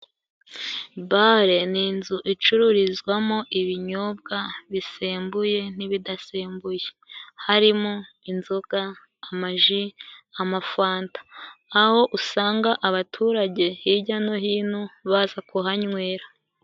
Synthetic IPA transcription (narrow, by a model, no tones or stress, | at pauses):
baɾe̞niːnzuʔit͡ʃuɾuɾizɡwamoʔiβiɲoːb̚ɡaβiseːmbuje̞n̥iβidaseːmbuje̥ | haɾimoinzuɡ̥aː | maʒiamafaːntḁːho̞ʔusaːŋɡaʔaβatʰuːɾaɟe̞hiɟano̞ɦiːnuβazakuɦaɲŋwe̞ːɾa